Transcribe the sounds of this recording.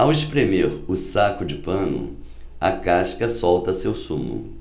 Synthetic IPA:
aweʃpɾemeɾʊsakʊd͡ʒɪpɐ̃nʊ̰ | ɐ̰kaʃkɐsɔwt̪ɐsewsṵ̃mʊ̰

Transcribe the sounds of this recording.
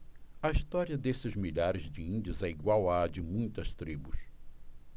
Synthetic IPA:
ɐist̪ɔɾiɐd̪esɪzmiʎaɾɪzd͡ʒɪĩnd͡ʒʊzɛiɡwawad͡ʒɪmũj̃t̪ɐst̪ɾibus

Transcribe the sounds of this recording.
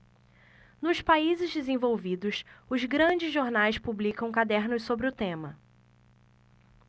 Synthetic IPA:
nʊspaizɪzd̪ezẽvowvid̪ʊsʊzɡɾɐ̃d͡ʒɪzʒːoɾnajspublikɐ̃w̃kad̪ɛɾnʊssobɾɪʊt̪ẽmɐ

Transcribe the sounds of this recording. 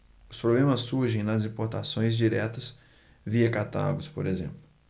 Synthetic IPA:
ʊspɾoblẽmɐsːuɾʒẽj̃nɐzĩpoɾt̪asõj̃zd͡ʒiɾɛt̪ɐs | viɐkat̪a̰ɡʊspoɾezḛ̃mplʊ

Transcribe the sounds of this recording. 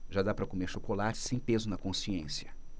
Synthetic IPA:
ʒad̪apɾɐkomeɾʃokolat͡ʃɪ̥sẽj̃pezʊnɐkõsiẽsjɐ

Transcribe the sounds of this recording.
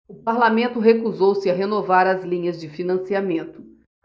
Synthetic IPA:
ʊpaɾlamẽnt̪ʊɦekuzowsɪɐɦenovaɾɐzlĩɲɐzd͡ʒɪfinɐ̃siamẽnt̪ʊ̥

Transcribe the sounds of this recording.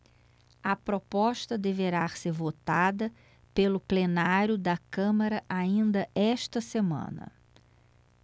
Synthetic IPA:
ɐpɾopɔʃt̪ɐd̪eveɾaseɾvot̪ad̪ɐ | pelʊplenaɾjʊd̪ɐkɐ̃mɐɾɐʔaĩnd̪ɐɛʃt̪ɐsemɐ̰̃nɐ̰

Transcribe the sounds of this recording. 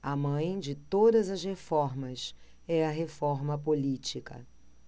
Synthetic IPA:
ɐmɐ̃j̃d͡ʒɪt̪od̪ɐzɐzhefɔɾmɐs | ɛɐɦefɔɾmɐpolit͡ʃikɐ̰

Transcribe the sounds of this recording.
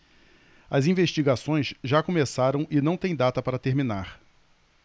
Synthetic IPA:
ɐzĩveʃt͡ʃiɡasõj̃zʒakomesaɾɐ̃w̃ɪnɐ̃w̃t̪ẽj̃d̪at̪ɐpaɾɐt̪eɾminaɾ

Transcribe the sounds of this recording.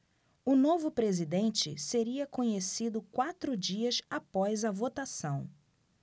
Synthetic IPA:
ʊnovʊpɾezid̪ẽnt͡ʃɪ̰seɾiɐkõɲesid̪ʊkwat̪ɾʊd͡ʒiɐsapɔjzɐvot̪asɐ̃w̃

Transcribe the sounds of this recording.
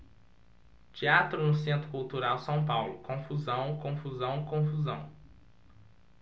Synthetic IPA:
t͡ʃiat̪ɾʊnʊsẽnt̪ɾʊkuwt̪uɾawsɐ̃w̃pawlʊkõfuzɐ̃w̃kõfuzɐ̃w̃ikõfuzɐ̃w̃

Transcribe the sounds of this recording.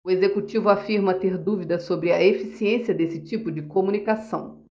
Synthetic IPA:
ʊezekut͡ʃivʊafiɾmɐt̪eɾd̪uvid̪ɐsobɾɪɐefisiẽsiɐd̪esɪt͡ʃipʊd͡ʒɪkomũnikasɐ̃w̃

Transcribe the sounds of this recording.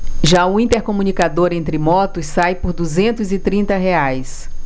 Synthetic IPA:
ʒaũĩnt̪eɾkomũnikad̪oɾẽnt̪ɾɪmɔt̪ʊsːajpoɾd̪uzẽnt̪ʊzɪt̪ɾĩnt̪ɐɦeajs

